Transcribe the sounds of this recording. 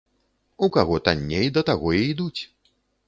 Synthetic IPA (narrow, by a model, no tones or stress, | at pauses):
ukaɣɔt̪anʲːejd̪ɐt̪aɣɔiid̪ut͡sʲ